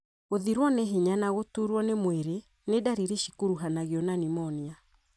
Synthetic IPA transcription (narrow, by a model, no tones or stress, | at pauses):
ɣoðiɾwɔneɦeɲanaɣotuɾwɔnemweɾe | nedaɾiɾeʃikuɾuɦanaɣjɔnanimɔnia